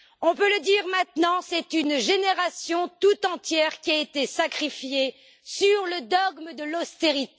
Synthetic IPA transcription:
ɔ̃pøləd̪iʁmɛ̃t̪nɑ̃sɛt̪ynʒeneʁasjɔ̃t̪ut̪ɑ̃t̪jɛʁkʲiaet̪esakχifje | syʁləd̪ɔɡməd̪əlɔst̪eʁit̪

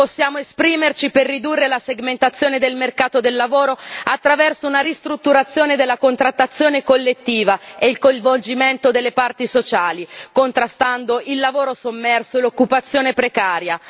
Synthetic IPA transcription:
posːjaːmoespɾiːmert͡ʃiperːid̪urːelaseɡment̪at̪sːjoːned̪elmerkaːt̪od̪elːavoːɾoat̪ːɾavɛrsounaɾist̪ɾut̪ːuɾat̪sːjoːned̪elːakont̪ɾat̪ːat̪sːjoːnekolːet̪ːiːvaeilkoj̃ɱvold͡ʒiment̪od̪elːepart̪isot͡ʃaːlikont̪ɾast̪and̪oilːavoːɾosomːɛrsoelokːupat̪sːjoːnepɾekaːɾja

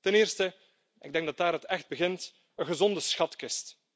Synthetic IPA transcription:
tɛnɪːrstə | ɪ̰ɡ̚dɛŋɡ̚dɑt̚daːɾɦətɛxd̚bəɣɪnt | ənɣəzɔndəsxɑtkɪst

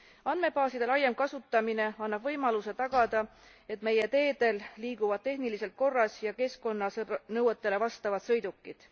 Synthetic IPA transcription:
ɑnd̪me̞pɑːsid̪̥e̞lɑjːemkɑsut̪ːˑɑmine̞ɑnːɑb̥vɤ̞jmɑluse̞t̪ɑɡ̥ɑd̪ɑ | e̞t̪ˑme̞je̞t̪e̞ːd̪̥e̞lːiːɡ̥uvɑd̪̚t̪ːe̞ɦnilise̞lt̪̚ko̞rːɑsjɑke̞sko̞nːɑsnɤwet̪ːˑe̞le̞vɑst̪ɑvɑd̪̥sɤ̞jd̪̥ukːˑid̪̥

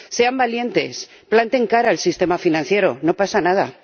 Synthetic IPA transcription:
se̞ambalje̞nt̪e̞̰s | plant̪e̞ŋkaɾaelsist̪e̞mafinãn̟θje̞ɾo̞no̞pasanað̞a̰

